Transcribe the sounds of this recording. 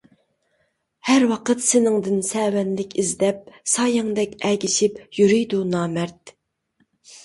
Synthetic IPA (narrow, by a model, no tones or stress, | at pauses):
hæɾwɑqət̪sɪnɪŋd̪ɪnsɛːwɛnlɪkʲizd̪ɛp̚sɑːjɪŋd̪ɛkʲɛɡʲiʃipjyɾyjd̪unɑːmɛɾt̪